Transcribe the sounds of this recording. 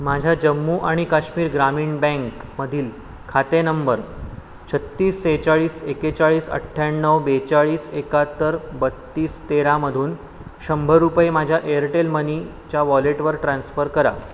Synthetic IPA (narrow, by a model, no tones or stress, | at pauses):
mad͡ʑʱjad͡ʑəmːuːʔaɽ̃ikaɕmiːɾɡɾamiːɳbɛ̃ŋkməd̪ʱiːl | kʰat̪enəmbəɾ | t͡ɕʰət̪ːiːset͡ɕaɭiːseket͡saɭiːsə̰ʈʰːjaɳnːəʋbet͡saɭiːsekat̪ːəɾbət̪ːiːst̪eɾaməd̪ʱuːn | ɕəmbʱəɾupemad͡ʑʱjaʔeəɾʈelməni | t͡ɕaʋɔleʈʋəɾʈɾãnsfəɾkəɾa̰